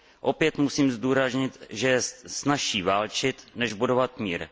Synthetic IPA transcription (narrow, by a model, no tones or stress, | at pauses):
ʔo̞pjɛt̪musiːmzduːɾazɲɪt̪ʒɛjɛsnaʃiːvaːlt͡ʃɪt̪nɛʒbudovat̪miːɾ